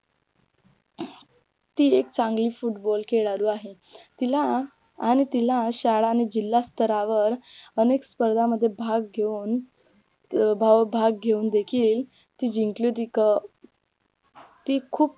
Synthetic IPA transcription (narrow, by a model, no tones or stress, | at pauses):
t̪iːek̚t͡saŋɡliːfuʈbɔlkeɭaɾuːaɦe | t̪ilaː | ɽ̃it̪ilaɕaɭaːɽ̃id͡ʑilːast̪əɾaʋəɾənekspəɾd̪ʱaməd̪ʱːjebʱaɡ̚ɡʱeun | bʱabʱaɡ̚ɡʱeuːnd̪ekʰiːl | t̪iːd͡ʑiŋklot̪ikə | t̪ikʰuːp̚